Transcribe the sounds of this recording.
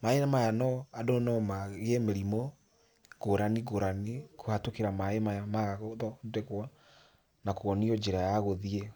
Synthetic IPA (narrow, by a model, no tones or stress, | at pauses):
maenamajanɔadonɔmaɣemeɾimɔ | ɣoɾaniɣoɾanikohatokeɾamaemajamaɣaɣoðɔdɛɣwɔ | nakoɔniɔd͡ʒeɾajaɣoðie